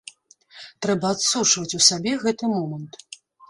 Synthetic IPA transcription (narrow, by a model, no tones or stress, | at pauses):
t̪ɾɛbɐat̪sut͡ʂvɐt͡sʲusabʲɛɣɛt̪ɨmɔmɐnt̪